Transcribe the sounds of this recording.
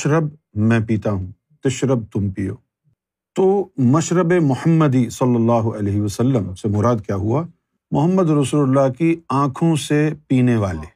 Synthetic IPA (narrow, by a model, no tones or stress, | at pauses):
ʃɾəb̚mɛ̃piːt̪aɦũː | t̪ɪʃɾəb̚t̪ʊmpijo̰ː | t̪oːmɐʃɾəbemʊhəmːəd̪isɐlːəlːaːɦʊʔɐleːɦɪʋɐsɐlːəmsemʊɾaːd̪̚kjaːɦua | mʊɦəmːəd̪ɾɐsuːləlːakiãːkʰõsepiːneʋa̰ːleː